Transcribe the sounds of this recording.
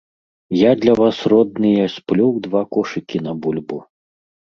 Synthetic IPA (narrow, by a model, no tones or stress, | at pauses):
jad̪lʲɐvasrɔd̪̚nɨjɐsʲplʲɔwd̪vakɔʂɨkʲinɐbulʲbu